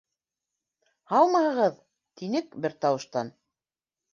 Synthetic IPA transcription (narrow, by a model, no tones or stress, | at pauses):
hɑlˠmɑhɤ̆ʁɤð | t̪inɘkbɘɾt̪ɑwɤ̆ʃt̪ɑn